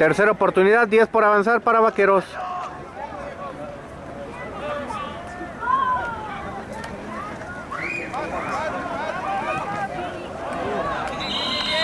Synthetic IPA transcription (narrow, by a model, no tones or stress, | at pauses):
t̪eɾse̞ɾaopo̞ɾt̪uniðad̪ːjespoɾaβansaɾpaɾaβakeɾos